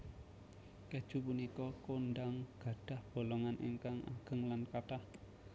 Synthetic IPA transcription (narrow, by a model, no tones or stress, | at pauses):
ked̥ʒ̥ṳpunikɔkondaŋɡ̥a̤ɖ̥a̤hb̥o̤lɔŋanʔiŋkaŋʔa̰ɡ̥ə̤ŋlankat̪ah